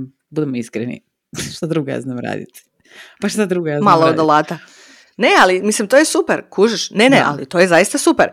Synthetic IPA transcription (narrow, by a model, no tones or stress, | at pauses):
bud̪emoiskɾenḭ | ʃt̪ad̪ɾuɡoja̰znaːmɾa̰ːd̪ḭt̪ | paʃt̪ad̪ɾuɡojamalˠood̪lˠaːt̪a | ne̞alimislimt̪ojesupeɾkʰuːʒiʃne̞neʔa̰lḭt̪o̞jezaist̪asupeɾ